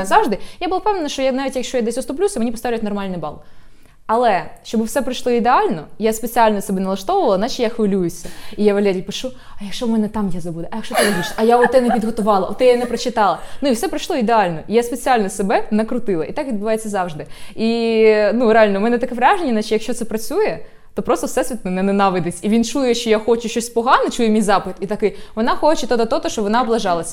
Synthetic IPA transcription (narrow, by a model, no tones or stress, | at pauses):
zɑwʐd̪ɪjabʊlˠɐpɛvnenɐʃt͡ʃɔjanaʋʲtʲjɐkʃt͡ʃɔjad̪ɛsʲʊst̪ɔp̬lʲusʲɐmenʲipɔst̪aʋlʲjtnɔrmɑlʲnɪbɑlˠ | ɐlˠɛʃt͡ʃɔbwsɛpɾɐjʃlˠɔid̪ealʲnɔjaspet͡sʲialʲnɔsɛbɛnɐlˠɐʃt̪ɔʋʊʋɐlˠɐnat͡ʃɪjaxʋɪlʲujʊsʲɐijaʋɐlʲɛɾʲijpɪʂu | ɐjɐkʃɔmɛnɛt̪amjazɐbud̪ɛʔɐjɐkʃt͡ʃɔt̪ɪzɐɦiʃɐjaɔt̪ɛnɛʋʲid̪ɦɔt̪ʊʋɑlˠɐ̰ʔɔt̪ɛjanɛpɾɐt͡ʃɪt̪ɑlˠɐnuiwsɛpɾɐjʃlˠɔid̪eɑlʲnɔijaspet͡sʲialʲnɔsebɛnɐkɾʊt̪ɪlˠɐʔit̪ɑkʋʲid̪bʊʋɑjet͡sʲːɐzɑwʒd̪ɪinuɾeɑlʲnɔmɛnɛt̪ɐkɛʋɾʲaʒenʲːɐnat͡ʃijɐkʃt͡ʃɔt̪sɛpɾɐt͡sʲujɛ | t̪ɔpɾɔst̪ɔwsɛsʲʋʲit̪nɔnɛnɛnɑʋɪd̪ɪsʲiʋʲint͡ʃujɛʃt͡ʃɔjaxɔt͡ʃʊʃt͡ʃɔsʲpɔɦɑnɪt͡ʃujɛmʲijzɑpɪt̪it̪ɐkɪjʋɔnɑxɔt͡ʃɛt̪ɔt̪ɔt̪ɔt̪ɔʃt͡ʃɔʋɔnɑɔblˠɐʒɑlˠɐsʲɐ